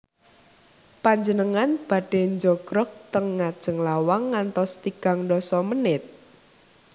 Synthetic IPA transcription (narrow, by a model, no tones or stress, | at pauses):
paɲd͡ʒənəŋanb̥a̤ɖ̥e̤nd͡ʒɔkɾɔk̚t̪əŋːad̥ʒ̥əŋlawaŋːant̪ɔst̪iɡ̥a̤ŋɖɔsɔmənɪt̪̚